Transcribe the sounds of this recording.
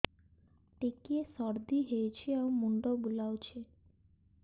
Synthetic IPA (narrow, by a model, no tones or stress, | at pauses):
ʈekiesɔɾd̪iɦeet͡ɕʰeawmuɳɖobulaot͡ɕʰe